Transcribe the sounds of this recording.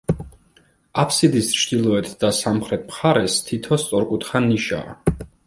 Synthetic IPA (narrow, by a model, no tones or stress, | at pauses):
apʰsid̪ist͡ʃʰd̪̥ilˠɔɛt̪ʰd̪̥asamχɾɛt̪ʰmχaɾɛst̪ʰit̪ʰɔst̪sʼɔɾkʼut̪χaniʃa̰ː